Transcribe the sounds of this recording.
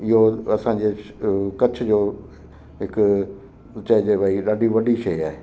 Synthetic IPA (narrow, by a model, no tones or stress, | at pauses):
ɪɦoɐsãːɲd͡ʑekɐt͡ɕʰʊ̆d͡ʑoː | ɦɪk | t͡ɕɐd͡ʑeːbaːiɗaːɖiʋɐɖiʃeiaːɦe